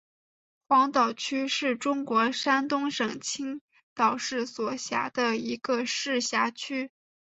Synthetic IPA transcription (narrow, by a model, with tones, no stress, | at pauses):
xwɑ˧˥ŋt̪ɑ˨˩ʊt͡ɕʰy˥ʂɻ̩˥˩ʈ͡ʂʊ˥ŋkwɔ˧˥ʂa˥nt̪ʊ˥ŋʂɤ˨˩ŋt͡ɕʰi˥ŋ | t̪ɑ˨˩ʊʂɻ̩˥˩swɔ˨˩ɕja̰˧˥d̪ə˧i˧˥ɡ̥ə˧ʂɻ̩˥˩ɕja˧˥t͡ɕʰy˥